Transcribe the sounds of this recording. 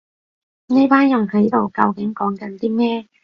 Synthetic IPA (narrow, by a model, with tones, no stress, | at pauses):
ni˥paː˥njʊ˨˩ŋhɐ˨˥jt̪o˨wkɐ˧wkɪ˨˥ŋkɔː˨˥ŋkɐ˨˧˥nt̪iː˥mɛː˥